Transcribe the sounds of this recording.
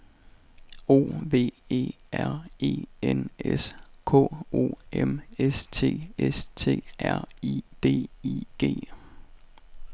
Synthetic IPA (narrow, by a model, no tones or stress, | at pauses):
o̝̰ːʋe̝̰ːe̝̰ːæɐ̰e̝̰ːeneskʰɔ̰̽ːo̝̰ːemest͡sʰe̝̰ːest͡sʰe̝̰ːʔæɐ̰id̥e̝̰ːḭɡ̥e̝̰ː